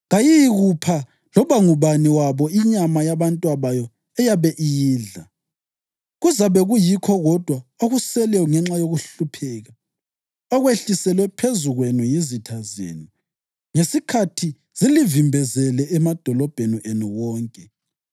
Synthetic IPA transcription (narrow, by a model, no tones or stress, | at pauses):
ɣajiɣupʰa | lɔβaŋuβaniwaβɔiɲamajaβantʼwaβajɔ | ɛjaβɛʔijiːɮa | ɣuzaβɛɣujikʰɔɣɔd̥ʱwaoɣusɛlɛɔŋɛŋ͡ǁajoɣuɬupʰɛːɣa | ɔɣweɬisɛlwɛpʰezuɣwenujizitʰazḛːni | ŋesikʰatʰi | z̥ilivimbʱɛzɛlɛɛmad̥ʱɔlɔb̥ʱeniʔenuwɔːŋkʼɛ